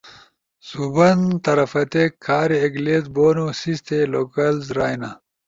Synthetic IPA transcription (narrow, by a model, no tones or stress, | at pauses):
subɐnt̪ɐɾɐfɐt̪ekʰːaːɾieɡleːt̪boːnosist̪ʰeloːkɐlzɾaːjna